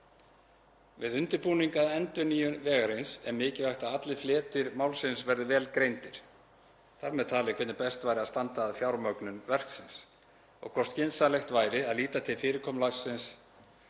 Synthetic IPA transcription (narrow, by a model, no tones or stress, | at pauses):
vɪðʏnt̪ɪɾpuːniŋkaðɛnt̪ʏniːjʏvɛːɣaɾɪnsɛmɪːcɪvajxt̪aðat̪lɪflɛːt̪ɪɾmaːwlsɪnsvɛɾðɪvɛːlkɾejnt̪ɪɾ̥ | θaɾmɛðt̪ʰaːlɪkʰvɛt̪nɪɾpɛst̪vajɾɪast̪ant̪aːðfjawɾmœknʏnvɛr̥ksɪns | ɔ̰ɣkʰɔr̥st̪cɪnsalɛxt̪vaːjɾɪaðliːt̪at̪ʰɪlfɪːɾɪɾkʰɔːmlaɣsːɪns